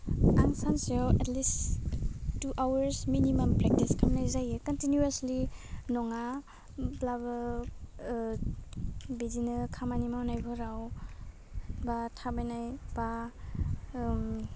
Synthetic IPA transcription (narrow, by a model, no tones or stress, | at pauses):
a̰ŋsansɔwɛtlis | tːuʔawaɾsminimɐmpɾɛk̚tiskʰamnajzajɯkantinjuaslinɔŋa | blaba | bizinɯkʰamanimawnajɡʰɔɾaw | batʰabajnajb̥a